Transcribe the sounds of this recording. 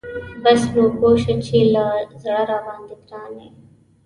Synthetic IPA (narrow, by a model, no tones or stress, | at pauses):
bəsloːkoːʃət͡ʃʰiːlaːzəɽaːɾaːʋãːnd̪ɪkɾaːneː